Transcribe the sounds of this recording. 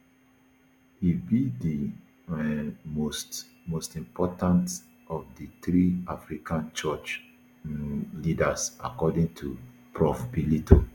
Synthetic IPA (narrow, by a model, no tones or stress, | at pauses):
hibidi | ɛost | mostĩmpɔtãnt | ɔfdit̪ɾiafɹikʰãnt͡ʃɔt͡ʃ | lidasakɔdĩŋtʰu | pɹɔfbilito